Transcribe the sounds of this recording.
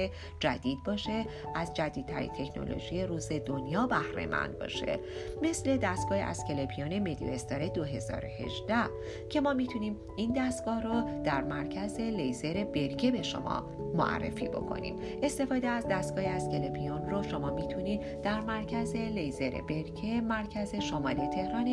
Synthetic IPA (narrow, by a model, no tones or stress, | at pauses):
e | d͡ʒæ̰d̪iːd̪̚bɒːʃe̞ | ʔæzd͡ʒæd̪iːd̪̚t̪ʰæɾḭnt̪ʰe̞cʰno̞̰lo̰ʒije̞ɾuːze̞d̪o̞njɒːbæhɾe̞̰mʔæ̰nd̪̥̚bɒ̰ːʃe̞̰me̞sle̞d̪æst̪̚ɡ̥ɒːḛʔæ̰sce̞lepʰijoːne̞me̞d̪ḭest̪ɒɾe̞d̪oɦe̞zɒ̰ːɾohe̞̰ʒd̪æh | cʰe̞mɒːmit̪ʰuniːm | ind̪æst̪ɡ̥ɒːhrod̪̥æɾmæɾcʰæze̞lejzeɾe̞be̞ɾcʰebe̞ʃo̰mɒ̰ː | mo̰ʔæ̰rːe̞̰fiːbo̞̰kʰo̞̰nḭːm | ʔe̞st̪e̞fɒːd̪eæzd̪æst̪̚ɡ̥ɒːheæscelepʰijonroʃo̞mɒːmiːt̪ʰuniːd̪ | d̪̥æɾmæɾcʰæze̞lejze̞ɾḛbe̞ɾcʰemæɾcʰæze̞ʃomɒːlit̪ʰe̞hɾɒːn